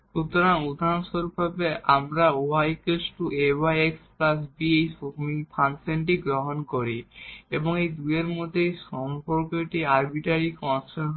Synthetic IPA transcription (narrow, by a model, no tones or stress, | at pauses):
ʃut̪ːoɾaŋud̪ʱaɾonʃoɾubʱabeʔamɾaoajkesʈuebajeksplasbiejsomipʰansenʈiɡɾoɦonkoɾieboŋejd̪ueɾmod̪ʱːejʃɔmpoɾkoʈiaɾbiʈaɾikɔnse